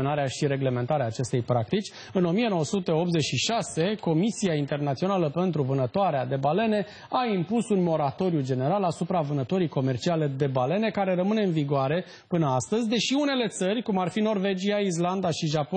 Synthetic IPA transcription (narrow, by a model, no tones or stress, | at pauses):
onaɾeaʃiɾe̞ɡle̞me̞nt̪aɾeaːt͡ʃe̞st̪e̞jpɾak̚t̪it͡ʃʲ | ɨno̞mijeno̞wəsut̪e̞o̞p̚t̪ze̞t͡ʃʃiʃase̞ko̞misiaint̪e̞rnat̪sio̞naləpe̞nt̪ɾuvɨnət̪oaɾead̪e̞bale̞ne̞ | aimpusunmo̞ɾat̪o̞ɾjud͡ʒe̞ne̞ɾalasupɾavɨnət̪o̞ɾijko̞me̞rt͡ʃiale̞d̪e̞bale̞ne̞kaɾe̞rəmɨne̞ɨnviɡoʊaɾe̞ | pɨnəast̪əzʲd̪e̞ʃiune̞le̞t̪sərʲkumarfino̞rve̞d͡ʒiais̬land̪aʃiʒapo